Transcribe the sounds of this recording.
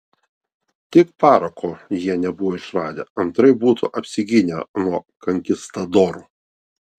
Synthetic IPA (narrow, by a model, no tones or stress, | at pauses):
t̪ʲɪkpɑːɾɐkʰoːjiɛnʲɛbʊʋoːɪʃɾɑːd̪ʲɛ̰ɐnt̪ɾɐɪbuːt̪uʔɐpʲsʲɪɡʲɪnʲɛnuɔkɐŋʲkʲɪst̪ɐd̪ɔːɾṵː